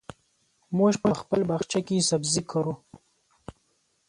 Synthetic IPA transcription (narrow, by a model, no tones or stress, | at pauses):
moːʃpɐxpəlbaxt͡ʃakisɐbzikʰɐɾu